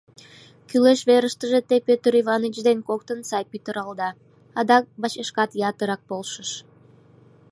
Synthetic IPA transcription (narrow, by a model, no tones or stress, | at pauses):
kyleʃβeɾəʃt̪əʒet̪epøt̪əɾivɑnit͡ʃd̪enkok̚t̪ənsɑjpyt̪əɾɑld̪ɑ | ɑd̪ɑk̚bɑt͡ɕeʃkɑt̪jɑt̪əɾɑk̚bolʃəʃ